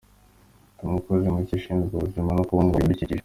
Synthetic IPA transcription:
umukozemuciʃiːnzɡuβuzimanokuβaŋɡoibicici

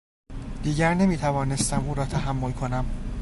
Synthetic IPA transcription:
d̪̥iːɟæɾne̞miːt̪ʰævɒːne̞st̪æmuːɾɒːt̪ʰæɦæmːo̞lkʰo̞næm

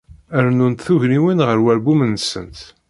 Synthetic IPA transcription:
əɾnunt̪θuʝɾiwinʁəɾwæɾbumənːsə̰nt̪

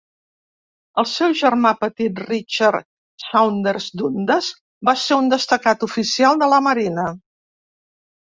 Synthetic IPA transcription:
əlˠsɛwʒərmapət̪it̪rit͡ʃar | sawnd̪əɾzd̪und̪əz | baseund̪əst̪əkat̪ufisialˠd̪ələməɾinə

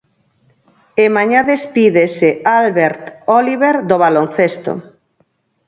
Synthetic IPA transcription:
emaɲaðespiðesealβeɾt̪oliβeɾd̪oβalon̟θest̪o̰

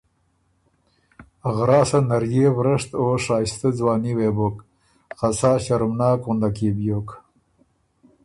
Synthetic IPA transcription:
ɣɾɑːsanaɾjeːwɾəʂt̪oʂɑːjst̪ad͡zwɑːniwebʊk | xasɑːɕaɾmnɑːkund̪akebjok

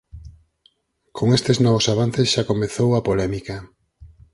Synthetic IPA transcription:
kʰoŋest̪eznɔβʊsaβanθesʃakomeθowapolɛmikɐ

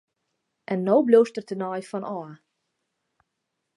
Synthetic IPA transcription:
ʔɛnːowbloːstərtənɔjfɔnʔɔə

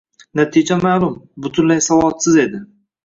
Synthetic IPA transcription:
nat̪ʰid͡ʒamaːlˠʊmbʊt̪ʰʊnlajsavɒlˠsɪze̞d̪ɪ

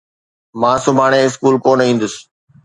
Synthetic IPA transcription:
mãːsʊbʱaːɽ̃ẽɪs̬kuːlkoːnĩːn̆d̪ʊs

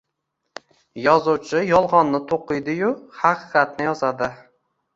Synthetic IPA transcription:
jɒzuwt͡ʃʰɪjɒlˠʁɒnːɪt̪ʰoqɨjd̪ɪjʊhɑqʰɨqɑt̪̚nɪjɒzad̪ɪ

